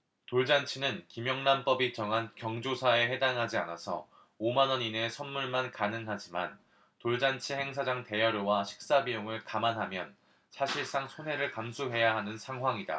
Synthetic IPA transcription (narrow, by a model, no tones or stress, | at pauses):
toɭd͡ʑant͡ɕʰinɯnkimjʌŋnamp͈ʌbit͡ɕʌŋɦankjʌŋd͡ʑosʰae̞ɦe̞daŋɦad͡ʑianasʰʌ̰ | omanʌɲine̞sʰʌnmuɭmankanɯŋɦad͡ʑima̰n | toɭd͡ʑant͡ɕʰihe̞ŋs̬ʰad͡ʑaŋte̞jʌɾowaɕʰi̥k̚s͈abijoŋɯɭkamanɦamjʌn | sʰaɕʰiɭs͈aŋsʰonɦe̞ɾɯɭkamsʰuɦe̞jaɦanɯnsʰaŋɦwaŋida̰